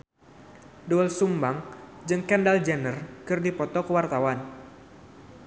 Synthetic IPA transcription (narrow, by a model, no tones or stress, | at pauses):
duəlsumbaŋd͡ʒɨŋkɛndald͡ʒɛnərkɨrdipɔt̪ɔkəwart̪awan